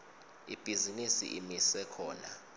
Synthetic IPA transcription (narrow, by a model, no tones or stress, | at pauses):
ib̥ʱizinisḭʔimisɛkʰɔːna̰